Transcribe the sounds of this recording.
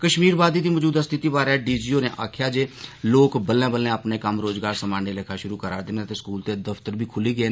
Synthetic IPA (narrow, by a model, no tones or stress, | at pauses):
kəʃmiːɾbaːd̪iːd̪iːmɔd͡ʒuːd̪əst̪ʰɪt̪iːbaːɾɛːɖiːd͡ʒiːoːneːʔa̰ːkʰjaːd͡ʒeːloːkbəlẽːbəlẽːəpneːkəmɾoːzɡaːɾsəmaːneːlekʰaːʃʊɾuːkəɾa̰ːɾd̪ɪnet̪eːskuːlt̪eːd̪əft̪əɾbʱiːkʰʊliːɡəeː